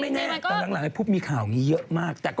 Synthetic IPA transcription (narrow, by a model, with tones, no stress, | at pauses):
ma˥˩jŋɛː˥˩aː˧laː˨˦ŋla˨˦ŋha˥˩pʰuː˦˥˩p̪̚miː˧kʰaː˨˩wŋiː˦˥jɤ˦˥ʔmaː˥˩k̚t̪ɛː˨˩kɔ